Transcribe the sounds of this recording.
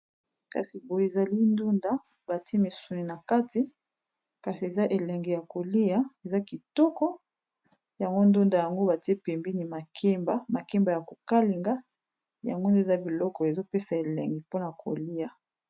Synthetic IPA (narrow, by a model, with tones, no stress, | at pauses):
ka̰˨si˨bo˨je˨za˨li˦ndu˦nda˨ | ba˨te˦mi˨su˨ni˨na˨ka˦ti˨ | ka˨si˨e˨za˦ʔe˨lɛ˨ŋɡi˨ja˨ko˨li˦ja˨e˨za˦ki˨tɔ˦kɔ˦ | ja˨ŋɡo˦ndu˦nda˨ja˨ŋɡo˦ba˨ti˦e˦pe˨mbi˦ni˨ma˨kʰe˦mba˨ma˨ke˦mba˨ja˨ko˨ka˦li˨ŋɡa˦ | ja̰˨ŋɡo˦nde˦˨za˦bi˨lɔ˦kɔ˨e˨zo˦pe˦sa˨e˨lɛ˨ŋɡi˨po˦na˨kʰo̰˨li˦ja˨